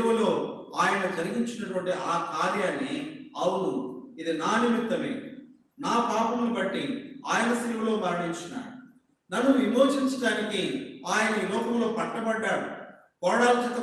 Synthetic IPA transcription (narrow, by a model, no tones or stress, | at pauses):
ɐʋɐlo̞ːaːjɐnɐd͡ʒɐɾiɡiɲt͡ʃinɐʈuʋɐɳʈiʔaːkaːɾjaːnːiɐwuɽuid̪inaːnimit̪ːɐmḛ | naːpaːpɐmnibɐʈːiaːjɐnɐsiːmɐlo̞ːmaːɾiɽiɲt͡ʃina̰ːɽu | nɐnːuʋimoːd͡ʒiɲt͡ʃɐʈaːnikiaːjɐnɐilɔːkɐmlo̞ːpɐʈːɐbɐɖːaːɽu | kɔːɽaːlt̪ɐk̪ːɐ